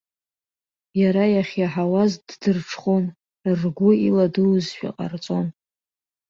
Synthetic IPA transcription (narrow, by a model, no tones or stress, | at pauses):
jaɾajaχʲjaħawazddɨrʈ͡ʂʰχon | rrɡʷʊiladɨwzʃʷᶣa̰qʼa̰rt͡sʼo̞n